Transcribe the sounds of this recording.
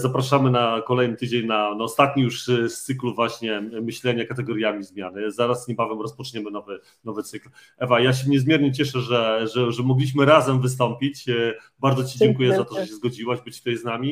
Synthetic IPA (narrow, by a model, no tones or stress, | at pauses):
zapɾaʂamɘnakɔlɛjnɘt̪ɘd͡ʑeɲnanaɔst̪at̪̚ɲijuʂst̪sɘkluvwaɕɲɛmɘɕlɛɲakat̪ɛɡɔɾʲjamʲizmʲjanɘzaɾasɲɛbavɛmɾɔspɔt͡ʂɲɛmɘnɔvɘ | nɔvɘt̪sɘklʔɛvajaɕ̬ɛmɲɛzmʲjɛɾɲɛt͡ɕɛʂɛʐɛʐɛʐɛmɔɡlʲiɕ̬mɘɾazɛmvɘst̪ɔmpʲit͡ɕbaɾd̪zɔt͡ɕid͡ʑɛŋkujɛzat̪ɔʐɛɕɛzɡɔd͡ʑiwaʑbɘt͡ɕt̪ajznamʲi